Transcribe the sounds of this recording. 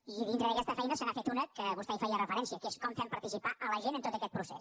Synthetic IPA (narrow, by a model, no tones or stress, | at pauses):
iðint̪ɾəðəkɛst̪əfɛjnəsənafet̪unəkəβust̪ɛifɛjərəfəɾɛnsiəkeskɔmfɛmpəɾt̪isipaʔələʒenənt̪ot̪əkɛt̪̚pɾusḛs